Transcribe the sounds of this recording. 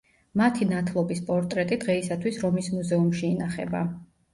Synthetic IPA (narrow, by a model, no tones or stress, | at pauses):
mat̪ʰinat̪ʰlˠɔbispʼɔɾt̪ʼɾɛt̪ʼid̪ʁɛisat̪ʰwisɾɔmismuzɛumʃiːnaχɛ̰ba̰